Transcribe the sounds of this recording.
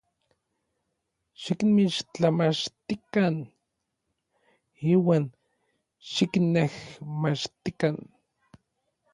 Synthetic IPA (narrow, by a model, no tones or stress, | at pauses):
ʃikmit͡ʃt͡ɬamat͡ʃt̪ikan | iːwaːn | ʃiknehmat͡ʃt̪ikan